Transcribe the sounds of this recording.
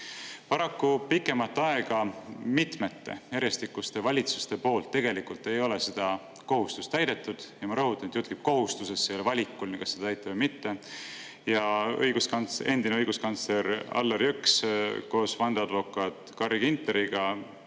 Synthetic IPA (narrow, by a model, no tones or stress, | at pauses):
pɑɾɑkːupikːˑe̞mɑt̪ːɑe̞ɡ̥ɑmit̪me̞t̪ːe̞̰jæɾjest̪ikːˑust̪e̞vɑlʲit̪su̥st̪e̞po̞ːlt̪ːe̞ɡ̥e̞likult̪ːˑe̞jo̞le̞sed̪̥ɑ | ko̞ɦust̪u̥st̪æjd̪̥e̞t̪ːˑud̪̥jɑmɑɾɤɦut̪ːˑɑnet̪jut̪kib̥̚ko̞ɦust̪use̞sːeelvɑlʲikːulniŋkɑsːed̪ɑt̪æjt̪ːˑɑvɤjmit̪ːe̞ | jɑɤ̰jɡ̥uskɑnt̪se̞nd̪̥ineɤjɡ̥uskɑnt̪sle̞ɾɑ̰lːeɾjyksko̞ːsvɑnd̪eɑd̪vo̞kːˑɑt̪kɑriɡint̪ːˑeɾiɡ̥ɑ